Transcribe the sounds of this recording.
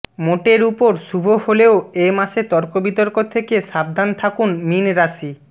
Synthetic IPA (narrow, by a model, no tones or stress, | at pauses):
moʈeɾupoɾʃubʱoholeoemaʃet̪ɔɾkobit̪oɾkot̪ʰekeʃab̚d̪ʱant̪ʰakunminɾaʃi